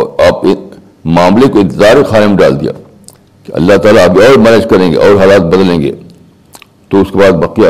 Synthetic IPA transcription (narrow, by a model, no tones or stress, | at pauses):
aːpɪ | maːmlekoɪ̃nt̪ɪzaːɾixaːnemɖa̰ːld̪ḭja̰ː | keɐ̰lːaɦt̪aːlaːɡeɔːɾmɛnɪd͡ʒkɐɾẽːŋɡḛʔɔːɾɦaːlaːt̪̚bɐd̪lẽːŋɡḛː | t̪oʊskebaːd̪bɐːqija